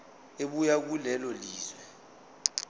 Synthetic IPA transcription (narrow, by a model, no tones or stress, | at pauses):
eɓujak̬ulɛlɔliːzwɛ